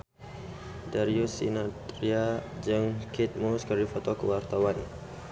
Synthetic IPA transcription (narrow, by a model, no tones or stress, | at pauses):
daɾiusḭnat̪ɾiad͡ʒəŋkit̪̚muskərdifɔt̪ɔkəwart̪awan